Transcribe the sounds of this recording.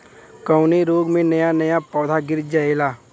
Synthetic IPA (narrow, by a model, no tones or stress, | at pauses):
kɐʊneɾoːɡmẽnɐjanɐjapɔːd̪ʱaɡɪɾd͡ʒaelaː